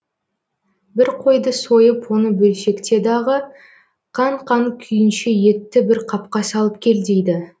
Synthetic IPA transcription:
bɪɾqʰo̞jd̪əso̞jəpwo̞nəbɵlʃe̞kt̪e̞d̪ɑʁə | qʰɑɴqʰɑŋkʲʰʏjɪnʃeje̞t̪ːɪbɪɾqʰɑp̚qɑsɑlˠəp̚kʲʰe̞ld̪ejd̪ɪ

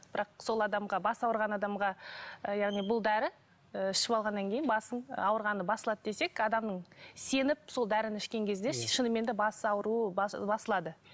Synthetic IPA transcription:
b̥ɪɾʔɑqso̞lˠɑd̪ɑmʁɑbɑsɑwəɾʁɑnɑd̪ɑmʁɑjɑʁnijbʊlˠd̪æɾɪ | əɪʃɪpɑlˠʁɑnːɑŋkʲʰejnbɑsəɴ̰ɑwəɾʁɑnəbɑsəlˠɑd̪əd̪e̞se̞kɑd̪ɑmnəɴse̞nɪp̚so̞lˠd̪æɾɪnɪʃkʲe̞ŋkʲʰe̞zd̪e̞ʃənəme̞nd̪ɪbɑsɑwəɾuəbɑsəlˠɑd̪ə

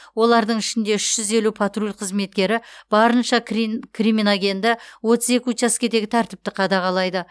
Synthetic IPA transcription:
wo̞lˠɑɾd̪əɴɪʃɪnd̪e̞ɪʃʒ̥ʏze̞lupʰat̪rulʲqʰəzme̞t̪̚kʲe̞ɾɪb̥ɑɾənʃɑkkʲʰriminaɡʲe̞nd̪ɪwo̞t̪əze̞kʲɪt͡ʃɑskʲe̞d̪e̞ɡʲɪt̪ʰæɾt̪ɪp̚t̪ɪqʰɑd̪ɑʁɑlˠɑjd̪ə

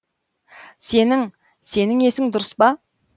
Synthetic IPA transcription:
se̞nɪŋ | se̞nɪŋe̞sɪŋd̪ʊɾəspɑ

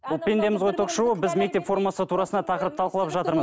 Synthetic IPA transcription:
bʊlˠpʲe̞nd̪e̞mɪzʁojt̪ʰoqʃuəbɪzme̞k̚t̪e̞pfo̞rmasət̪ʰuɾɑsənɑt̪ʰɑqəɾəp̚t̪ʰɑlˠqəlˠɑpʒɑt̪əɾməz

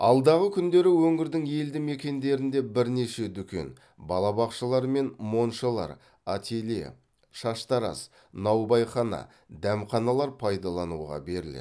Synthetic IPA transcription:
ɑ̰lˠd̪ɑʁəkʲʰʏnd̪e̞ɾɪwɵŋɪɾd̪ɪŋje̞ld̪ɪme̞kʲe̞nd̪e̞ɾɪnd̪e̞bɪɾne̞ʃe̞d̪ʏkʲe̞̰n | bɑlˠɑbɑqʃəlˠɑɾme̞nmo̞nʃəlˠɑ̰ɾ | at̪ʰelḛ | ʃɑʃt̪ɑɾɑ̰s | nɑwbɑjχɑnɑ̰ | d̪æmχɑnɑlˠɑɾpʰɑjd̪ɑlˠɑnṵʁɑ̰be̞ɾɪlḛ

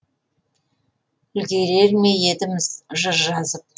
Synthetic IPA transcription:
ʏlɡ̪ʲe̞ɾe̞ɾme̞je̞t̪ɪmɪzʒəɾʒɑzəp̚

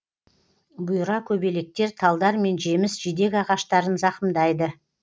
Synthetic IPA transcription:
bʊjɾɑkʲʰɵbe̞le̞k̚t̪e̞ɾt̪ʰɑlˠd̪ɑɾme̞nʒe̞mɪsʒid̪e̞kʲɑʁɑʃt̪ɑɾənzɑqəmd̪ɑjd̪ə

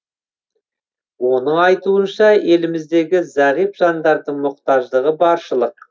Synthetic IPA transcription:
wo̞nəɴɑjt̪uənʃɑe̞lɪmɪzd̪e̞ɡʲɪzæʁipʒ̥ɑnd̪ɑɾd̪əɴmʊqt̪ɑʒd̪əʁəbɑɾʃəlˠəq̚

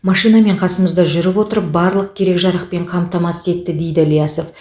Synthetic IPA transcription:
mɑʃijname̞ɴqʰɑsəməzd̪ɑʒʏɾɪpwo̞t̪əɾəp̚bɑɾlˠəq̚kʲʰe̞ɾe̞kʒɑɾəq̚pe̞ɴqʰɑmt̪ɑmɑse̞t̪ːɪd̪e̞jd̪ɪljaso̞f

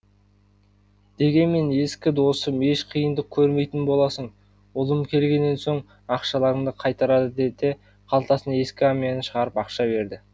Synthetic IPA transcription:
d̪̥e̞ɡʲe̞nme̞ne̞skʲɪd̪o̞səme̞ʃqʰijənd̪əq̚kʲʰɵɾme̞jt̪ɪnbo̞lˠɑsəɴ | ʊlˠəmkʲʰe̞lɡʲe̞nːe̞nsoɴ | ɑqʃɑlˠɑɾəmd̪əqʰɑjt̪ɑɾɑd̪əd̪et̪e̞ | qʰɑlˠt̪ɑsənɑe̞skʲɪɑmijɑnəʃəʁɑɾəpɑqʃɑbe̞ɾd̪ɪ

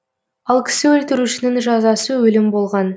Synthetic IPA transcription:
ɑlˠkʲʰɪ̥sɪwɵlt̪ɪɾuʃɪnɪŋʒɑzɑsəwɵlɪmbo̞lˠʁɑn

